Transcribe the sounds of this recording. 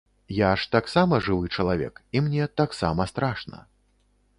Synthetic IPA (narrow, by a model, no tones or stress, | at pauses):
jaʂt̪aksamɐʐɨvɨt͡ʂɐlˠavʲɛ̰kimnʲɛt̪aksa̰mɐst̪ɾaʂnɐ̰